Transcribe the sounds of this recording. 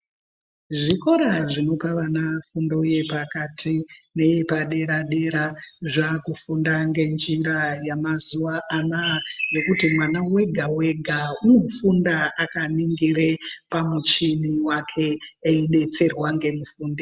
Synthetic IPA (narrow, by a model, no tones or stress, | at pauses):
ʐiko̞ɾaʐino̞paʋanafundouje̞pakatʰine̞jepaɗe̞ɾaɗe̞ɾaʐakufundaŋɡe̞nd͡ʒiɾajamazuʋaʔamaaʐe̞kutimwanawe̞ɡʱawe̞ɡʱaunofundaakaniŋɡirepamut͡ʃiniwakʰe̞ːiɗe̞t͡se̞rwaŋɡe̞mufuːnde